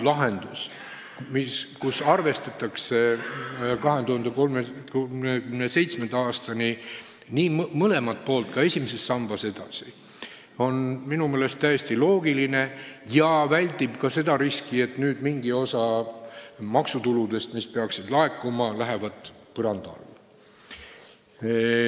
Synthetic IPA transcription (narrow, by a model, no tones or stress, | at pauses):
lɑɦe̞nd̪̥us | miskusɑrve̞st̪ɑt̪ːˑɑkse̞ | kɑɦe̞t̪uhɑnd̪ekolmekekymnese̞jt̪smend̪̥ɑɑːst̪ɑni | niːmmɤle̞mɑt̪̚po̞ːlt̪̚kɑe̞sʲimese̞sːɑmb̥ɑse̞d̪̥ɑ̰si | o̞nminumeːle̞st̪ːæjest̪ilo̞ːɡiline̞jɑvælʲt̪ib̥kɑse̞d̪̥ɑɾiskie̞t̪nyːd̪̥miŋɡio̞sɑ | mɑksut̪ulud̪e̞st̪mispe̞ɑksid̪lɑe̞kːˑumɑlæɦevɑd̪̥ | pɤɾɑnd̪̥ɑ̰lː